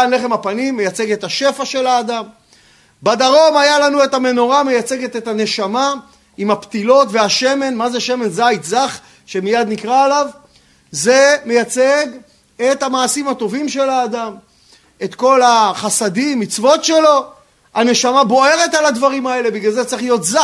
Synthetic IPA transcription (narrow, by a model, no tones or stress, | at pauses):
le̞χemapanimːejat͡se̞ɡet̪haʃe̞faʃe̞laːd̪am | bad̪aʁo̞majalanue̞thame̞no̞ʁame̞jat͡se̞ɡe̞t̪et̪hane̞ʃama | imapt̪ilo̞tveaʃe̞me̞nmazeʃe̞me̞nzajt̪zaχ | ʃe̞mijad̪nikʁaːlav | ze̞mejat͡seɡ | e̞t̪hamaːsimat̪o̞vimʃe̞laːd̪am | e̞t̪ko̞laχasad̪imːit͡svo̞tʃe̞lo̞ | ane̞ʃamabo̞e̞ʁe̞talad̪vaʁimae̞le̞biɡlalzet͡seiχlijo̞t̪za